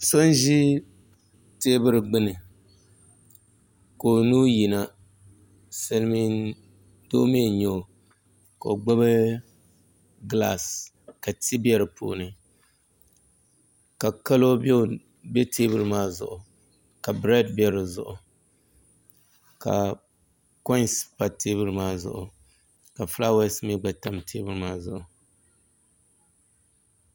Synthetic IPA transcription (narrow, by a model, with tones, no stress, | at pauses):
so˦n˦ʒi˦ | te˦bɨ˦ɾɨ˨ɡ͡bɨ˦nɨ˨ | ko˨nuː˦ji˨na˨ | sɛ˦lmi˦n | do̰˦me˦ɲo˦˨ | ka˨o˨ɡ͡ba˦bɨ˦ | ɡla̰˨s | ka˨tʰi˦bi˦ɛ˦ɾɨ˨po̰ː˨nɨ˨ | ka˨ka˦lo˦bɛ˦˨ | bɛ˦tʰeː˦bɨ˦ɾɨ˦maː˦zʊ̰˦˨ʔʊ˨ | ka˨bɾɛ˦dbɛ˨ɾɨ˨zʊ̰˨ʔʊ˨ | ka̰˨ | kɔ˦spa˨te˦bɨ˦ɾɨ˦maː˦zʊ̰˨ʔʊ˨ | ka˨fla˦wɛ˦smɛ˦ɡ͡ba˨ta˦mtʰeː˦bɨ˦ɾɨ˦maː˦zʊ˨ʔʊ˨